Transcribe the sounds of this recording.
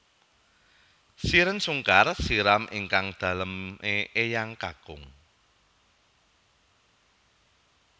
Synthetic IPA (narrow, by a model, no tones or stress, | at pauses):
siɾənsuŋkarsiɾamiŋkaŋd̪̥a̤ləmʔeejaŋka̰ɡ̥ʊŋ